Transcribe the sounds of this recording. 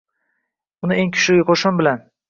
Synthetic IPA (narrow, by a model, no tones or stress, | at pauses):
ʊnɪe̞ŋkʰʊ̥ʃlɪɡʲɪqʰoʃʊmbɪlan